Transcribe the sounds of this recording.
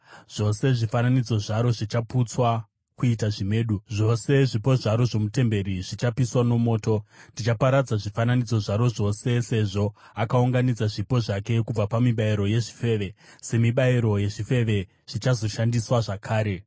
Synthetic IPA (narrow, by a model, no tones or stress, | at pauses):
ʐ̥o̞se̞ʐifananid͡zo̞ʐaɾo̞ʐit͡ʃaput͡swa | kuitaʐime̞ːɗuʐo̞se̞ʐipo̞ʐaɾo̞ʐo̞mute̞mbe̞ɾiʐit͡ʃapiswano̞mo̞ːto̞ndit͡ʃapaɾad͡zaʐifananid͡zo̞ʐaɾo̞ʐo̞se̞se̞ʐo̞ | akauŋɡanid͡zaʐipo̞ʐake̞kub͡vapamiɓaiɾo̞je̞ʐi̥fe̞ʋe̞se̞miɓaiɾo̞je̞ʐife̞ʋe̞ | ʐ̥it͡ʃazo̞ʃandiswaʐakʰaːɾe̞